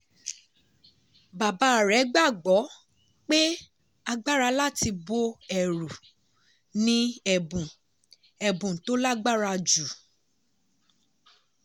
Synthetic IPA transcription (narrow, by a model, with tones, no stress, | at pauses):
ba˨ba˨˦˨ɾɛ˨˦ɡ͡ba˦˨ɡ͡bɔ˨˦ | k͡pe˦ | a˧ɡ͡ba˦ɾa˧la˦˨ti˧bo˧ɛ˨ɾu˨ | nĩ˧ɛ˨bũ˨ | ɛ˨bũ˨to˨˦la˦ɡ͡ba˦ɾa˧d͡ʒu˨